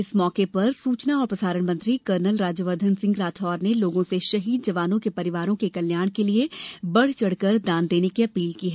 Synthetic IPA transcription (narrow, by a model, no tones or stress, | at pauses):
ɪsmɔːkepɐɾsuːt͡ʃnaɔːɾpɾɐsaːɾəɽ̃mɐ̃nt̪ɾikəɾnəlɾaːd͡ʒjəʋəɾd̪ʱənsɪ̃ŋɡɾaːt̪ʰɦɔːɾneloːɡõseʃɐɦiːd̪d͡ʒɐʋaːnõkepɐɾɪʋaːɾõkekɐljaːɽ̃keliebɐɽ̤t͡ʃɐɽ̤kəɾd̪ãːnd̪eːnekiɐpiːlkiɦɛː